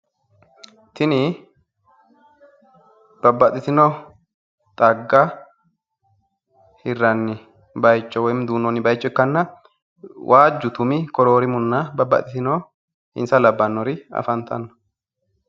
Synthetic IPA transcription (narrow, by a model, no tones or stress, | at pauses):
t̪ɪnɪ | b̥ɐbːɐt̪ʼɪt̪ɪno | t̪ʼɐɡːa | hɪrːɐnːɪ | bɐjt͡ʃːɔwɔjmɪd̪uːnɔnːɪbɐjt͡ʃːɔɪkːɐnːɐ | wʔaːd͡ʒːʊt̪ʊmɪkɔɾoːɾɪmʊnːabɐbːɐ̰t̪ʼɪt̪ɪno | hɪ̰nsɐlɐbːɐnːɔɾɪɐ̰fɐnt̪ʰɐnːɔ̥